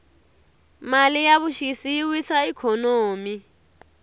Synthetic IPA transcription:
malijaβuʃisijiwisaikʰɔnoːmi

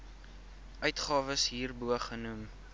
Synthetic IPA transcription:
ʔœɥtχɑːvəsɦiːrbuəχənum

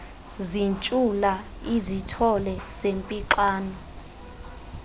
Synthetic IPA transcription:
zint͡ʃʼula | izitʰɔlɛz̥empʼiǁaːnɔ

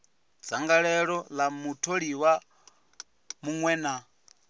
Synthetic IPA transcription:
d͡zaŋɡaɺɛɺɔlamutʰoɺiwa | muŋwɛːna

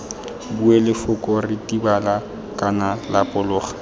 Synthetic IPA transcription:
buɛlɪfʊkʼɔrɪtʼibala | kʼanalapʼʊlʊːχḁ

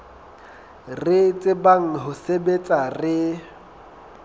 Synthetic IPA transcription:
rɪt͡sʼɪbaŋ̩ɦʊsebet͡sʼarɪ

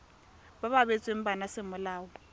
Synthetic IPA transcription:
baβaβet͡sʼwem̩banasɪmʊlaːwɔ

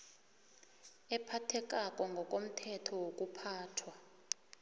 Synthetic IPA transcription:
ɛpʰatʰɛk̬ʼak̬ʼɔŋɡʱɔk̬ʼom̩tʰɛtʰɔwok̬ʼupʰaːtʰwa

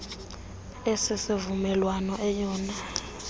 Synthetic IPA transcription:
esisivumɛlwanɔʔɛjɔːna

